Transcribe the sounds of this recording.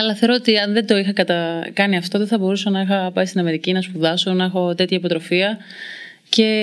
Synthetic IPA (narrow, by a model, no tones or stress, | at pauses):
ɐlɐθeɾoot̪iɐnðe̞d̪o̞ixɐkɐt̪ɐkɐniɐft̪o̞ðeθɐbo̞ɾusonɐixɐpɐist̪inɐme̞ɾicinɐspuðɐsunɐexo̞t̪e̞t̪çɐipo̞t̪ɾo̞fiɐ | ce̞